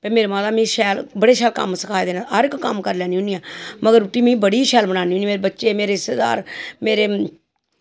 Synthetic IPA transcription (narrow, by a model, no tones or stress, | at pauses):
pẽːmeːɾeːmãːd̪aːmĩːʃɛːlbəɽeːʃɛːlkə̰msəkʰaːed̪eːnaɦəɾɪkːəmkəɾlɛːnĩːʊ̃niːãːməɡəɾʊʈːiːmĩːbəɽiːʃɛːlbənaːniːũniːmeːɾeːbətːʃeːmeːɾeːɪst̪eːd̪a̰ːɾmeːɾeː